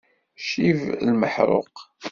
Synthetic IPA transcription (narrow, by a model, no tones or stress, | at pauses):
ʃivlməħɾˤo̰q